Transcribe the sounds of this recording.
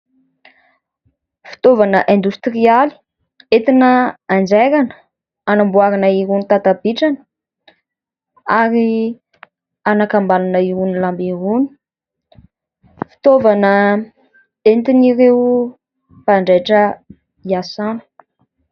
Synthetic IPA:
fi̥t̪ovanəʔẽnd̪ust̪riali̥ | et̪inəand͡ʒeɾanə̥ | anambuaɾanəiɾunit̪at̪abiʈ͡ʂanə̥ | aɾi | anakambalanəiɾunilambiɾuni̥ | fi̥t̪ovanə | ent̪iniɾewu | paɳɖ͡ʐeʈ͡ʂə | iasanu̥

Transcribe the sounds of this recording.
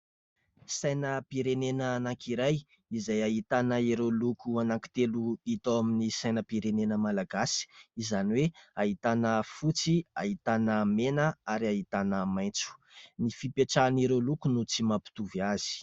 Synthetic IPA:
sajnəpiɾenenəːnaŋkiɾaj | izajaɦit̪anəiɾelukuanaŋki̥t̪eluit̪oaminisajnəpiɾenenəmalaɡasi̥izaniweaɦit̪anəfut͡sia̰ɦit̪anəmenəaɾiaɦit̪anəmajnt͡su̥nifipeʈ͡ʂaniɾelukunut͡simapi̥t̪uviazi̥

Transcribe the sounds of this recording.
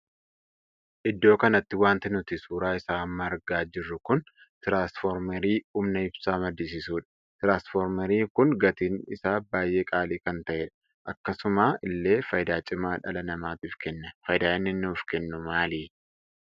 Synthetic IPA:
ʔɪd̪ːo̞ːkɐnɐt̪ːɪwaːnt̪ɪnʊt̪ɪsuːɾaːɪsaːɐmːɐːɾɡaːd͡ʒɪrːʊkʊn | t̪ɪɾaːnsfɔɾmɐɾiːuːmnɐɪbsaːmɐd̪iːs̬ɪsuːᶑɐ̥ | t̪ɪɾaːnsfɔɾmɐɾiːkʊŋɡɐt̪iːnɪsaːbaːjʔe̞ːkʼaːliːkɐnt̪ɐʔɛᶑɐ | ʔɐkːɐsʊmaːɪlːe̞ːfɐjd̪aːt͡ʃʼɪmːaːᶑɐlɐnɐmaːt̪iːfkɛnːɐfɐjd̪aːɪnːɪnːuːfkɛnːʊmaːliː

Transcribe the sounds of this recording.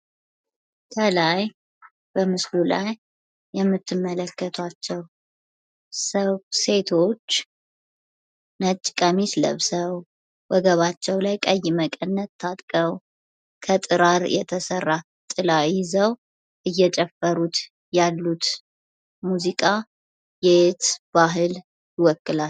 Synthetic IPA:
kʰəlaj | b̥əmɨslula̰jː | ɛmːɨt̪ʰːɨmːələkːət̪ʰwat͡ʃːɛw | səβse̞t̪ʰo̞t͡ʃː | nət͡ʃʼːkʼamislə̰βsəw | wəɡəβat͡ʃːɛwlajkʼəjməkʼənːət̪ʰːat̪ʼkʼəw | kʰət̪ʼɨɾaɾjɛ̰t̪ʰəsərːa | t̪ʼɨlajɪzəw | ʔɨjːɛt͡ʃʼɛfːəɾut̪ | jalːut̪ | muzikʼa | jet̪b̥aɦɨl | jɪwɔkːɨlal

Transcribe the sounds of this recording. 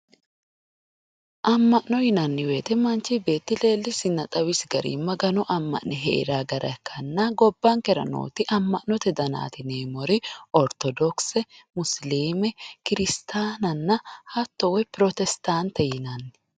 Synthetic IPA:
ʔɐmːɐʔnɔjɪnɐnːɪwe̞ːt̪ɛmɐnt͡ʃːɪbe̞ːt̪ːɪle̞ːlːɪsɪnːɐt̪ʼɐwɪsɡɐɾḭːmɐɡɐnɔʔɐmːɐ̰ʔnɛɦɛʔɪ̰ɾaːɡɐɾʔɐ̰kʰːɐnːɐɡɔbːɐŋkɛɾɐ̰no̰ːt̪ɪʔɐmːɐʔnɔt̪ɛd̪ɐna̰ːt̪ɪneːmɔɾɪɔɾt̪ɔd̪ɔksɛmʊsliːmɛkɪɾɪst̪ʰaːnɐnːɐhɐt̪ːɔwɛpɪɾɔt̪ɛst̪ant̪ːɛjɪnɐnːɪ̥

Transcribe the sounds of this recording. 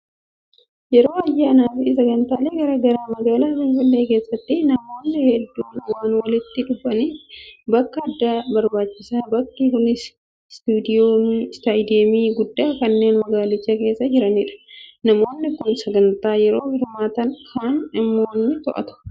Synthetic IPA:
jɛɾo̞ːɐjːaːnaːfɪs̬ɐɡɐnt̪aːleːɡɐɾɐɡɐɾaːmɐɡaːlaːfɪnfɪlːe̞ːke̞ːsːɐt̪ːɪnɐmo̞ːnːɪhɛd̪ːuːnwaːnwɐlɪt̪ːɪᶑʊfɐniːbɐkːɐːd̪ːaːbɐɾbaːt͡ʃːɪsaːbɐkːikʊnɪs | st̪uːd̪ɪjoːnst̪aːjd̪emiːɡʊd̪ːaːkɐnːe̞ːnmɐɡaːlɪt͡ʃːɐke̞ːsːɐd͡ʒɪɾɐnɪᶑɐ̥nɐmo̞ːnːɪkːʊnsɐɡɐnt̪aːjɛɾo̞ːhɪɾmaːt̪ɐnhaːnɪmːoːnːɪt̪ɔʔɐ̰t̪ʊ̥

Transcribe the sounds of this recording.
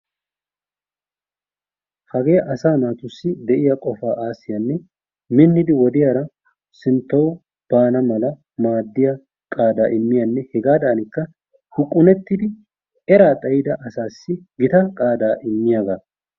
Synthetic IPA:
hɐɡeːjɐʔɐsaːnaːt̪ʊsːɪd̪ɛʔɪjɐkʼɔfaːʔaːsːɪjɐnːɛ | mɪnːɪd̪ɪwɔd̪ɪjaːɾɐ | sɪnt̪ːɐw | b̥aːnɐmɐlɐ | maːd̪ːɪjɐ | kʼaːd̪aːʔɪmːɪjɐnːɛhɛɡaːd̪aːnɪkːɐ | hʊkʼːʊnɛt̪ːɪd̪ɪ | ɛɾaːt̪ʼɐjɪd̪ɐʔɐsaːsːɪɡɪt̪ɐkʼaːd̪aːʔɪmːɪjaːɡa

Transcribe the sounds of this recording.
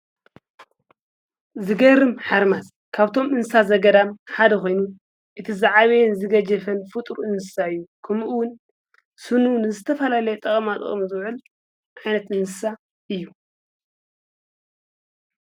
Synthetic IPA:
zɨɡɐɾɨmħaɾmas | kʰaβt̪ʰo̞mɨnsɨsazɐɡɐd̪amħad̪ɐko̞jnu | ʔɨt̪ʰizaʕaβejnzɨɡɐd͡ʒɐfɐnfɨt̪ʼɾuʔɨnsɨsaɨjːukʰɐmʔuwʊn | sɨnunɨzɨt̪ʰɐfɐlalɐjet̪ʼɐχʼɐmat̪ʼɨ̰χʼmzɨwʕɨl | ʕajnɐt̪ɨnsɨsa | ʔɨjːu

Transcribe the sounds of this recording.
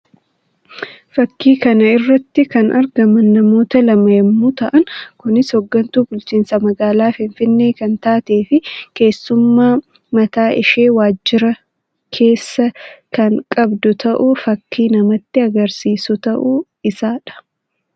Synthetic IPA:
fɐkːiːkɐnɐɪrːɐt̪ːɪkɐnʔɐɾɡɐmɐnːɐmo̞ːt̪ɐlɐmɐjɛmːuːt̪ɐʔɐŋkʊnɪshɔɡːɐnt̪uːbʊlt͡ʃiːnsɐmɐɡaːlaːfɪɱfɪnːe̞ːkɐnt̪aːt̪eːfɪke̞ːsːʊmːaː | mɐt̪aːʔɪʃe̞ːwaːd͡ʒːɪɾɐ | kʰe̞ːsːɐkɐŋkʼɐbd̪ʊt̪ʰɐʔʊfɐkːiːnɐmɐt̪ːɪɐɡɐɾsiːsʊt̪ɐʔʊ | ɪsaːᶑɐ̥

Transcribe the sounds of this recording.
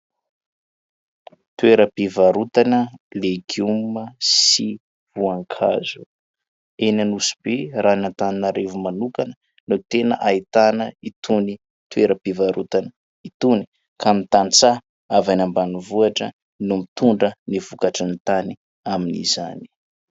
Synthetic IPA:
t̪ueɾəpivaɾut̪anəleɡuməsi | v̥uaŋkʰa̰zu | enanusi̥beranant̪aninaɾevumanukanə | not̪enə̰ʔait̪anəit̪uni | t̪ueɾəpivaɾut̪anə | it̪uni̥ | kʰamit̪ant͡sa | avanambanivuaʈ͡ʂə̰ | numit̪uɳɖ͡ʐəniv̥ukaʈ͡ʂinit̪ani | aminḭzani̥

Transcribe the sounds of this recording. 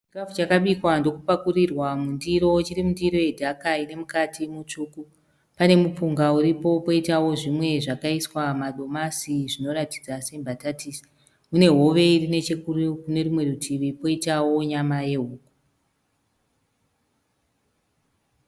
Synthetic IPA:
t͡ʃiɡrafut͡ʃakaɓikwando̞kupakurirwamundiɾo̞t͡ʃiɾimundiɾo̞je̞dʱakaine̞mukatʰimut͡ʂuːku | pane̞mup͡fuŋɡauɾipo̞po̞itawo̞ʐimwe̞ʐakaiswamaɗo̞masiʐino̞ɾatid͡zase̞mbʱatatisi̥ | mune̞ɦo̞ʋe̞irine̞t͡ʃekurukune̞rumwe̞rutʰiʋipo̞itawo̞ɲamaje̞ɦuːku̥

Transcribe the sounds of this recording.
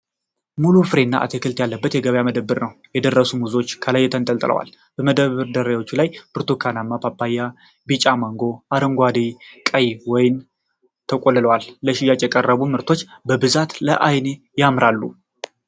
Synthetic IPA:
mulufɨɾe̞nːa̰ʔa̰t̪ʰekʰɨlt̪jalːəbːət̪jɛɡəβjaməd̪əbːɨɾnəwjɛd̪ərːəsumuzo̞t͡ʃːkʰəlajːɛt̪ʰənt̪ʼəlt̪ʼɨlə̰wa̰l | b̥əməd̪əβɨɾd̪əɾajwo̞t͡ʃːulajbɨɾt̪ʰokʰanamːapʰapːajːa | bit͡ʃʼamaŋɡo̞ʔaɾəŋɡʷad̪ikʼəjwɔjɪn | t̪ʰəkʼolːɨləwalːəʃɪjat͡ʃʼjɛkʼərːəβumɨɾt̪ʰo̞t͡ʃːbəbɨzat̪ləʔajne̞ | jamɾalːu

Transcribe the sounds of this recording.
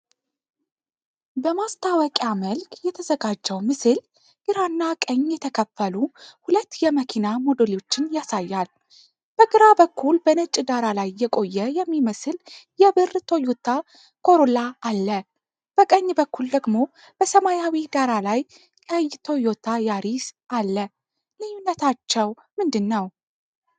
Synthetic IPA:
bəmast̪ʰawəkʼaməlkʰʼjɛt̪ʰəzəɡad͡ʒːəwmɨsɨl | ʔɨɾanːakʼəɲːjɛt̪ʰəkʰəfːəluhulət̪ːjɛməkʰinamo̞d̪oleo̞t͡ʃːɪnjasajːal | b̥əɡɨɾabəkːulbənət͡ʃʼd̪aɾalajːɛkʼo̞jːɛjɛmːiməsɨljɛbɨrt̪ʰo̞jot̪ʰːa | kʰo̞ɾolaːlːə | b̥əkʼəɲːbəkːuld̪əɡmo̞ | b̥əsəmajawid̪aɾalaj | kʼəjːt̪ʰo̞jo̞t̪ʰajaɾisʔalːə | lɨjːunːət̪ʰat͡ʃːɛw | mɨnd̪ɨnːəw

